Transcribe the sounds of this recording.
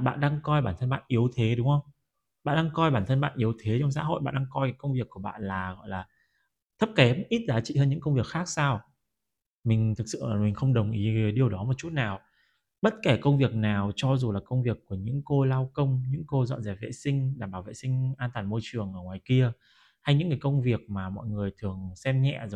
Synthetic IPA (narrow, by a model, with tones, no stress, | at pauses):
ɓa̰ː˧˨nɗaː˧ŋkɔ˧jɓaː˧˩nt̪ʰə˧nɓa̰ː˧˨nʔi˨˦əwt̪ʰe˨˦ɗʊ˨˦ŋ͡mhə˧wŋ͡m | ɓa̰ː˧˨nɗaː˧ŋkɔ˧jɓaː˧˩nt̪ʰə˧nɓa̰ː˧˨nʔi˨˦əwt̪ʰe˨˦t͡ɕɔ˧wŋ͡msa̰ː˧˥˦ɦo̰˧˨jɓa̰ː˧˨nɗa˧ŋkɔ˧jka˨˦kə˧wŋ͡mvi˨˩əkːu˧˩əɓa̰ː˧˨nlaː˨˩ɣɔ̰˧˨jlaː˨˩ | t̪ʰə˦˥p̚kɛ˨˦mʔi˦˥t̚zaː˨˦t͡ɕḭ˧˨həː˧nɲɨ̰˧˥kə˧wŋ͡mvi˨˩ək̚xaː˦˥k̚saː˧w | mi˨˩ŋ̟t̪ʰɨ˨˩k̚sɨ̰˧˨˩mi˨˩ŋ̟xə˧wŋ͡mɗə˨˩wŋ͡mʔi˨˦˨ɗi˨˩əwɗɔ˨˦mo˨˩t̚t͡ɕu˦˥t̚naː˨˩w | ɓə˦˥t̚ke˧˩kə˧wŋ͡mvi˨˩ək̚naː˨˩wt͡ɕɔ˧zu˨˩laː˨˩kə˧wŋ͡mvi˨˩əkːu˧˩əɲɨ̰˧˥ŋko˧laː˧wkə˧wŋ͡mɲɨ̰˧˥ŋko˧zɔ̰˧˨nzɛː˧˩vḛ˧˨sï˧ŋ̟ɗaː˧˩mɓaː˧˩wvḛ˧˨sï˧ŋ̟ʔaː˧nt̪waː˨˩nmo˧jt͡ɕɨ˨˩əŋʔəː˧˩ŋwaː˨˩jki˧ə | ha˧jɲɨ̰˧˥ŋːaː˨˩jkə˧wŋ͡mvi˨˩ək̚maː˨˩mɔ̰˧˨jŋɨ˨˩əjt̪ʰɨ˨˩əŋsɛ˧mɲɛ̰˧˨zo˨˩j